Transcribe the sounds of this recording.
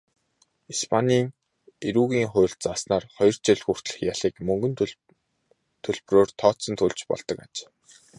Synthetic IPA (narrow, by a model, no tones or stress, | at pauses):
ispʰaniːŋ | iɾuːɣiːŋχʊ̟ːɬt̪̚t͡sasnaːrχɔjɞ̆r̥t͡ɕeɮxur̥t̪ɮə̆xjaɮiːkmɵŋɡɵ̆n | t̪ʰɵɮproːrt̪ʰɔːt̪sɞ̆nt̪ʰɵɮt͡ɕpɔ̰ɮ̥t̪ɞ̆ka̰t͡ɕ